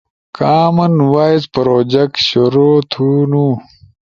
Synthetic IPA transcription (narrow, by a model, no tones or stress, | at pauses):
kaːmɐnwaːizpɐɾoːd͡ʑɐk̚ɕuɾoːt̪ʰunuː